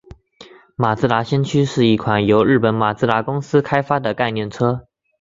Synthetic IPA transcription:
ma˨˩t͡s̩˥˩la˧˥ɕjɛ˥nt͡ɕʰy˥ʂɻ̩˥˧i˥˩kʰwa˨˩njo˧˥ʊɻɻ̩˥˩pə˨˦nma˨˩t͡sɹ̩˥˩la˧˥kʊ˥ŋs̩˥kʰa˥ɪfa˥d̪ə˨ka˥˧ɪnjɛ˥˩nʈ͡ʂʰɤ˥

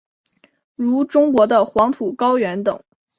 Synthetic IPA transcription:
ɻu˧˥ʈ͡ʂʊ˥ŋkwɔ˧˥d̪ə˧xwɑ˧˥ŋt̪ʰu˨˩kɑ˥ʊɥɛ˧˥nt̪ɤ˨˩˦ŋ

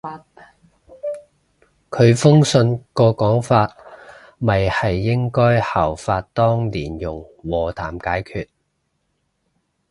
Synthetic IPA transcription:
kʰɵ˨˧ɥfʊ˥ŋsɵ˧nkɔː˧kɔː˨˥ŋfaː˧t̚ | mɐ˨jhɐ˨jːɪ˥ŋkɔː˥jhɐː˨˩wfaː˧t̚t̪ɔː˥ŋliː˨˩njʊ˨˩ŋwɔː˨t̪ʰaː˨˩mkaː˨˥jkʰyː˧t̚

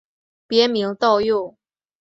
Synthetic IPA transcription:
pjɛ˨˧˥mi˧˥ŋt̪ɑ˥˧ʊjo˥˩

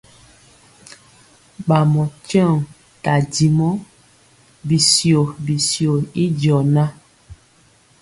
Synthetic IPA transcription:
ɓa˨mɔ˨t͡ʃɔ˦˨ŋ | ta˨di˨mɔ˦ | bi˨sjo˨bi˨sjo˨i˦d͡ʒɔ˨na˦

